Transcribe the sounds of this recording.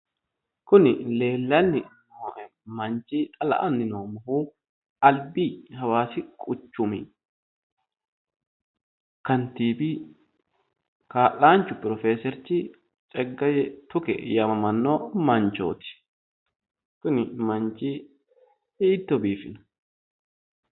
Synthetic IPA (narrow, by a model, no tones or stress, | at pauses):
kʊnɪle̞ːlːɐnːɪ | mɐnt͡ʃiːt̪ʼɐlɐ̰ʔɐnːɪnoːmɐhuː | ɐlbiːɦɐwaːsɪkʼʊt͡ʃːʊmɪ | kɐnt̪iːbi | kaːʔaːnt͡ʃːʊpɪɾɔfeːsɛɾt͡ʃɪ | t͡ʃʼɛɡːɐjɛt̪ʊkɛ̰jɐmɐmɐnːoːmɐnt͡ʃo̰ːt̪ɪ̥ | kʊnɪmɐnt͡ʃʼiː | iːt̪ːɔbiːfɪnɐ̥